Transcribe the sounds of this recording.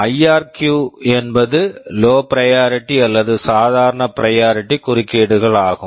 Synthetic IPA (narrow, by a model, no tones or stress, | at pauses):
ɐjaːɾkjuːɛnbɐðɯloːpɪɾɐjaːɾɪʈːiɐlːɐðɯsaːðaːɾɐɳɐpɪɾɐjaːɾɪʈːikʊɾɪkːeːɽɯɣɐɭaːɣɯ